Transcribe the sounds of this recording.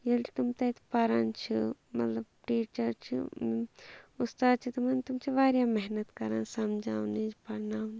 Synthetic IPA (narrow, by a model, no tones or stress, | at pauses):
jelt̪umt̪ɐt̪ʰpɐɾant͡ʃʰimɐ̰t̪lɐbʈiːt͡ʃɐɾt͡ʃʰḭ | ust̪aːd̪̚t͡ʃʰit̪ɐmɐnt̪umt͡ʃʰiʋaːɾjaːmɛɦnɐt̪kɐɾaːnsɐmd͡ʒaːũnid͡ʒpɐɾnaːn